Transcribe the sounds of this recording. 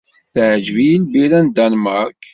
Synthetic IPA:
θʕd͡ʒvijilbiɾænd̪anmaɾk

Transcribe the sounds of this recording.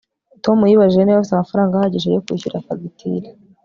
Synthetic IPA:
to̞mujiβaʒiʒeneβaisamafaɾaːŋɡahaɟiʃejokwḭːçuɾafaɡitʰḭɾi

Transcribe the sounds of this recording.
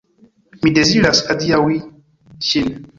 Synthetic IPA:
midɛziɾaskadijawi | ʃinɛ

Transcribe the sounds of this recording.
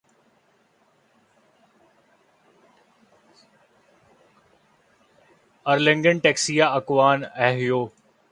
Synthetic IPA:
ɐɾlɪ̃ŋɡənʈeːksijaɐkʋaːnɛɦɪjoː

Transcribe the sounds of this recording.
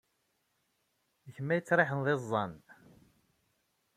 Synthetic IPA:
əçmːæjət͡sːɾˤeħənðˤezˤːɑn

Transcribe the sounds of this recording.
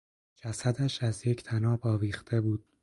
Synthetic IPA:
d͡ʒæsæd̪æʃæzjecʰt̪ʰænɒːbɒːviːχt̪ʰe̞buːd̪̥̚

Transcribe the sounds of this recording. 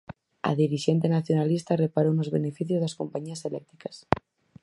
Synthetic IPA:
a̰ðiɾiʃent̪̬enaθjonalist̪arepaɾonozβenefiθjozðaskompaɲiaselɛk̚t̪ɾikas

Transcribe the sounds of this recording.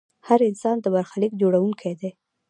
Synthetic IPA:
haɾɪnsɑnd̪əbaɾxalikd͡ʒoɽawuŋkʰajd̪e

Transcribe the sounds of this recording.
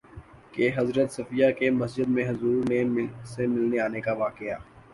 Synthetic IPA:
keɦɐzɾət̪sɐfijakemɐsd͡ʒəd̪mẽɦʊzuːɾnesemɪlneaːnekaʋaːkeaː

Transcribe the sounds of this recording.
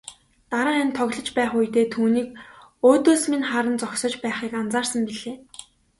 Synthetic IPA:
t̪aɾə̆ːent̪ʰːɔɣɮɞ̆t͡ɕpæːχujt̪eːt̪ʰuːniːkoːt̪oːsminχaɾə̆nt͡sɔksɞ̆t͡ɕpæːχiːkant͡saːrsə̆mpiɮeː

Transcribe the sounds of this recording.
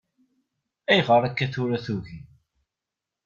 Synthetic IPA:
æjʁəɾækːæθʊɾæθuʝi

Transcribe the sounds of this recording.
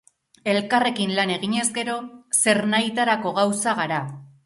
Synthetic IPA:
e̞lkare̞kinlane̞ɣiɲe̞zɡe̞ɾo̞se̞ɾnajt̪aɾako̞ɣawsaɣaɾa

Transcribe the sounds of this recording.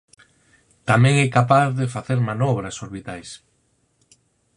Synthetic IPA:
t̪amɛ̃ŋɛkapaθðefaθeɾmanɔβɾɐsoɾβit̪ajs

